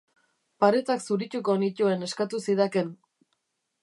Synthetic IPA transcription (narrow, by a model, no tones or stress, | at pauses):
paɾet͡s̪aksuɾit͡ʃukonicue̞ne̞skat̪usiðaken